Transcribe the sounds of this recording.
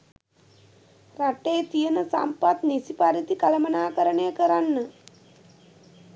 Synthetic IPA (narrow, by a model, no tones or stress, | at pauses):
raʈeːt̪ijənəsa̰mpat̪nisipaɾit̪ikalɐmənaːkəɾəɳejəkəɾanːə